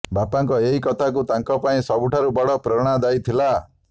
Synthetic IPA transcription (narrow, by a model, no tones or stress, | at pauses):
bapaŋkɔeɦikɔt̪ʰakut̪aŋkɔpaĩsɔbuʈʰaɾubɔɽɔpɾɔɽ̃ad̪ajt̪ʰila